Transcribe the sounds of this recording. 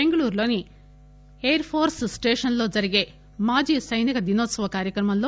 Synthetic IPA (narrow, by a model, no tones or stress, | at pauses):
eŋɡɐɭuːɾlo̞ːni | eːɐɾpʰoːɾssʈeːʂɐnlo̞ːd͡ʒɐɾiɡe̞ː | maːd͡ʒiːsɐjnikɐd̪inoːt̪sɐʋɐkaːɾjɐkɾɐmɐmlo̞ː